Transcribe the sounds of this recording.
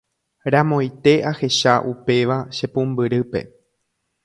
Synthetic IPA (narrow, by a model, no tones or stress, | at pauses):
ɾãmõjt̪e̞ʔahe̞ʃaʔupe̞ʋaʃepũmbɨɾɨpe̞̰